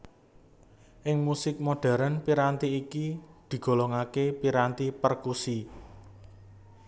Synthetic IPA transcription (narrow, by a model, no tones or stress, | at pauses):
ʔɪŋmusɪk̚moɖ̥ɛ̤ɾənpiɾant̪iːkid̪̥i̤ɡ̥o̤lɔŋakepiɾant̪ipərkusi